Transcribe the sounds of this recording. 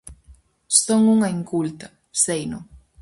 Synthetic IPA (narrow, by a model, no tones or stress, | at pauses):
st̪oŋuŋaiŋkult̪a | sejno